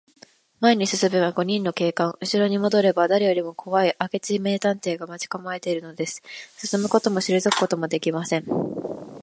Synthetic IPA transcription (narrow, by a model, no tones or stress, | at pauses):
maeɲ̟isɨsɨmeβaɡo̞ɲ̟ĩnːo̞ke̞ːkãɰ̃ɯ̟ɕiɾo̞ɲ̟imo̞d̪o̞ɾe̞bad̪aɾejo̞ɾʲimo̞kʰo̞βaiʔake̞t͡sɨime̞ːt̪ãnt̪e̞ːɡamat͡ɕi̥kamae̞t̪e̞iɾɯ̟no̞d̪e̞sɨ̥sɨ̥sɨmɯ̟ko̞t̪o̞mo̞ɕiɾɯzokɯ̟̥ko̞t̪o̞mo̞d̪e̞kʲimasẽ̞ɴ